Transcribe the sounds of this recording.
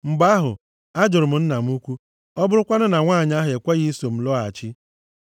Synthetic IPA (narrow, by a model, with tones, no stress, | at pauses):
m̩˨ɡ͡ba˦ɦʊ̰˨ | a˦d͡ʒʊ˨ɾʊ˨m̩˨n̩˦na˨m̩˦u˦kʷu˦ | ɔ˦bʊ˦ɾʊ˦kʷa˦nʊ˦na˨ŋʷaː˦˨ɲa˦ɦe˨kʷa˦ɣi˦so˨m̩˨lɔ˦a˨t͡ʃɪ˦